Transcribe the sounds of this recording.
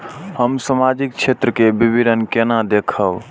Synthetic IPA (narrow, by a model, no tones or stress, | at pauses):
həmsəmad͡ʒik̚t͡ʃʰet̪ɾəkebibʱidənkenad̪ekʰəb